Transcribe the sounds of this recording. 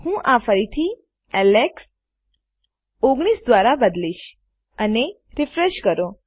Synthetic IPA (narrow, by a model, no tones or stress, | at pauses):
hũʔafəɾit̪ʰi | ɛleks | oɡɽ̃isd̪ʋaɾabəd̪liʃ | əne | ɾɪfɾeʃkəɾo